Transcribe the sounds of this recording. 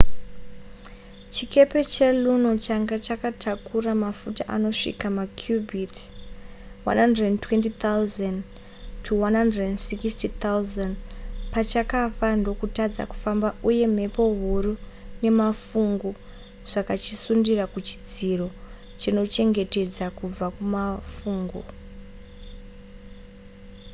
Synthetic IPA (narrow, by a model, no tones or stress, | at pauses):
t͡ʃike̞pe̞t͡ʃeluno̞t͡ʃaŋɡat͡ʃakatʰakuramafutaʔa̰no̞ʂḭkamakʰjubʱit | wa̰nhandrentwe̞ntit̪auzan | tʰuwanɦandrnsikstit̪auzanpat͡ʃakafando̞kutad͡za̰ku̥fambauje̞m̤e̞po̞ɦuɾune̞mafuŋɡu | ʐ̥akat͡ʃisundirakut͡ʃi̥d͡ziro̞ | t͡ʃino̞t͡ʃe̞ŋɡe̞te̞d͡zakub͡vakumafuːŋɡo